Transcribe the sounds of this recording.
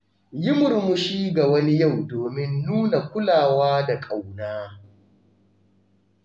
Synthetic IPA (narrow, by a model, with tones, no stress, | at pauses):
jɪ˦mʊ˨rmʊ˨ʃiː˦ɡa˨wɐ˦ni˦ja˦˨wdoː˨mɪ˦nːuː˦na˨kʷʊ˦laː˨waː˦da˨kʼa˨wnaː˦